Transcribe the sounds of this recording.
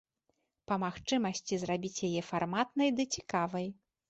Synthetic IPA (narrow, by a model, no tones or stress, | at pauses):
pɐmaxt͡ʂɨmɐsʲt͡sʲizrabʲit͡sʲjajɛfarmat̪nɐjd̪ɨt͡sʲi̥kavɐj